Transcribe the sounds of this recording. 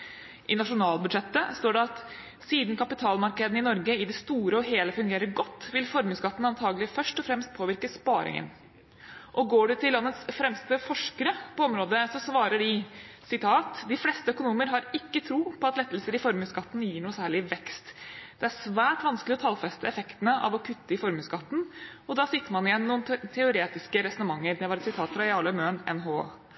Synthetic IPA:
ʔɪnɑʂʊnɑːlbʉd̪ʂɛt̪ːəst̪oːɖɛɑt̪ | siːd̪n̩kʰɑpɪt̪ʰɑːlmɑɾkəd̪ənɪnɔɾɡəɪd̪ɛst̪uːɾəɔɦeːləfʉŋɡeːɾəɾɡɔt̪ːʋɪlfɔɾmʉskɑt̪ːn̩ɑnt̪ʰɑːɡlɪfœʂʈɔfɾɛmst̪̚pʰoːʋɪɾkəspɑːɾɪ̰ŋə̰n | ʔɔɡoːɖɛt̪ʰɪlːɑnːət̪sfɾɛmst̪əfɔʂkəɾəpɔɔmɾoːd̪əsɔsʋɑːɾəɖɪ | sɪt̪ʰɑːt̪d̪ɪflɛst̪əœkʊnuːməɾɦɑɾɪkːət̪ʰɾuːpɔɑt̪lɛt̪ːəl̩səɾɪfɔɾmʉːskɑt̪ːn̩jiːɳuːəsæːɭɪʋɛkst̪d̪̥ɛæʂʋæːʈʋɑnsklɪɔt̪ʰɑlfɛst̪əɛfɛkt̪ənəʔɑ̰ʋɔkʰʉt̪ːəɪfɔɾmʉːskɑt̪ːn̩ɔd̪ɑːsɪt̪ːəɾmɑnɪjɛnːnuːnt̪ʰɛʊɾeːt̪ɪskəɾɛsɔnəmɑŋːəɾd̪ɛʋɑɾɛt̪sɪt̪ʰɑːt̪fɾɑjɑːɭəmøːnɛ̰nɦoː

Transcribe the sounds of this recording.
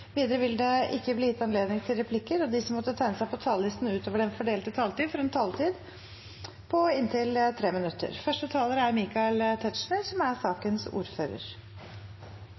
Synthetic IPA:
ʋiːd̪əɾəʋɪld̪ɛʔɪkːəbliːjɪt̪ːɑnleːd̪nɪŋt̪ʰɪlɾɛpʰlɪkːəɾɔd̪ɪsɔmːɔt̪ːət̪ʰæɪnəsæɪpʰɔt̪ʰɑːllɪst̪n̩ʉːt̪ʰoːʋəɖɛnfɔɖeːlt̪ət̪ʰɑːlt̪iːd̪fɔɾɛnt̪ʰɑːlt̪ʰiːd̪ | pʰɔɪnt̪ʰɪlt̪ʰɾeːmɪnʉt̪ːə̰ɾfœʂʈət̪ʰɑːləɾəæɾmiːkɑlt̪ʰɛt̪ʂɳəsɔmæɾsɑːkənsṵːɾfø̰ːɾə̰ɾ

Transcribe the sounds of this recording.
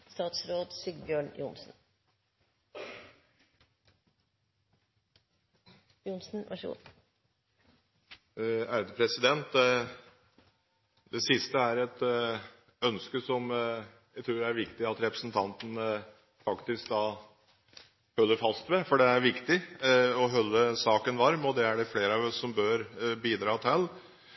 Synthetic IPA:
st̪ɑːt̪sɾoːd̪sʏɡbjøːɳjʊ̰nsn | jʊnsn̩ʋʔɑ̰ʂəṵ | æːɾəd̪əpʰɾɛsɪd̪ɛnt̪ | d̪ɛsɪst̪əæɾɛt̪ | œnskəsɔmjæt̪ʰɾuːɾæɾʋɪkt̪ɪɑt̪ɾɛpɾə̥sn̩t̪ʰɑnt̪ən | fɑkt̪ɪsk̚d̪ɑː | hœlːəɾfɑst̪ʋɛfɔɖɛæɾʋɪkt̪ɪɔɦœlːəsɑːkənʋɑɾmɔd̪ɛæɖɛfleːɾəɑʋɔsːɔmbøːɾbiːd̪ɾɑːt̪ʰɛlː

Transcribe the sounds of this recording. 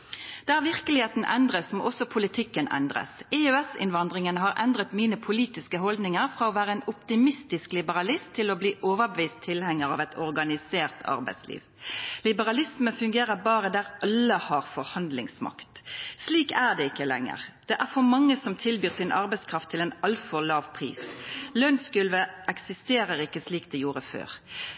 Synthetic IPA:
d̪̥ɛæɾʁʋɪʁkəlɪheːt̪nə̰ʔɛnd̪ʁəsmɔʔɔsɔpʰʊlɪt̪ʰɪkːənʔɛ̰nd̪ʁə̰sɛøːɛsɪ̰nʋɑnd̪ʁɪŋənəɦɑʁʔɛnd̪ʁət̪miːnəpʰʊliːt̪ɪskəɦɔld̪nɪŋəʁfʁɑːɔːʋæːʁəɛnʊpt̪ɪmɪst̪ɪsklɪbəʁɑlɪst̪ʰːɪlɔbliːʔoːʋəɾbəʋiːst̪ʰːɪlhɛŋːəʁɑ̰ʋɛt̪ʰɔʁɡɑnɪseːʁt̪ʰɑ̰ɾbæɪslḭːʋ | lɪbəʁɑlɪsməfʉŋɡeːʁəbɑːʁəd̪æʁɑlːəhɑʁfɔɾhɑnd̪lɪ̰ŋsmɑ̰kt̪sliːkæʁd̪ɛɪkːəlɛ̰ŋːə̰ʁd̪̥ɛʔæʁfɔɾmɑŋːəsɔmt̪ʰɪlbyːʁsɪnʔɑ̰ɾʁbæɪskʰʁɑft̪ʰːɪlɛnɑlfɔʁlɑːʋpʰʁḭːslœnskʉlʋəʔɛksɪst̪eːʁəʁɪkːəsliːk̚d̪ɛjuːʁəfø̰ːʁ

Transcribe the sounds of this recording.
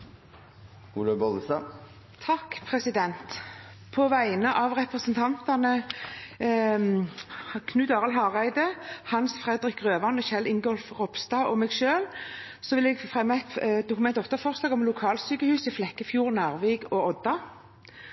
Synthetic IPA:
uːləbɔlsɑ | t̪ʰɑkːpʰʁɛsɪd̪ɛnt̪ | pʰɔʋæɪnəʔɑʋʁɛpʁəsənt̪ʰɑnt̪ɑnə | kʰnʉːd̪ɑːʁəlɦɑʁæɪd̪əhɑnsfʁɛd̪ɾɪkʁøːʋɑnɔɕɛlːɪŋɡɔlfʁɔpst̪ɑːʔɔmɛːɡʃøːl | sɔʋɪlɛɡfʁɛmːt̪d̪ʊkʊmɛnt̪ɔft̪əfɔʁsɑːɡɔmlʊkʰɑːlsyːkəhʉːsɪflɛkːəfjuːʁnæːʁʋeːɡɔɔd̪̥ɑ

